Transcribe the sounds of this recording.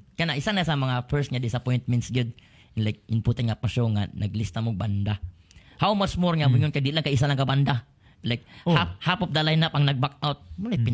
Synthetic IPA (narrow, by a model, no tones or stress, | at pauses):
kanaʔisanasamɐŋafɛɹsŋad̪ɪsapɔjnt̪̚mɛ̃nt̪sɡʊd̪̚ | nlajk̚ɪnpɔt̪anŋapaʃoŋanʔɐɡlɪst̪amʊɡ̚band̪a | hawmat͡ʃmoɹŋabʊɲʊnkad̪ilaŋkaʔis̬alaŋkaband̪a | lajk̚hap̚hapʊp̚d̪alajnapaŋnɐɡ̚bakawt̪̚mʊlajpɪ